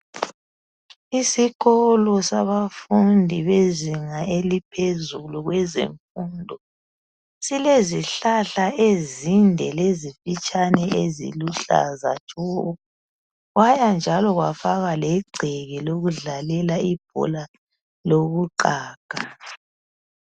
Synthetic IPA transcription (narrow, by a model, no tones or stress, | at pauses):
isiɣɔlɔsaβafundʱiβeziŋaelipʰezuluɣwɛzḛɱfundʱɔ | sileziɬaɬaʔezindʱɛlezifit͡ʃʼʰanɛʔezḭluɬa̰za̰̥t͡ʃʼɔ | ɣwajand͡ʒʱalɔɣwa̰faɣalɛɡ͡ǀʱɛɣɛloɣuɮalɛlaib̥̚ʱɔ̰la | loɣuǃaːɡ̥ʱa